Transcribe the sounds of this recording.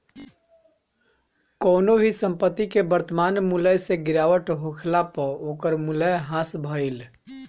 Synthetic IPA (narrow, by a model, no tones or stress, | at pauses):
kəːnobʱisəmpət̪ːikebəɾt̪əmanmuləjseɡiɾaʋəʈɦokʰlapəokəɾmuləjɦãsbʱəjl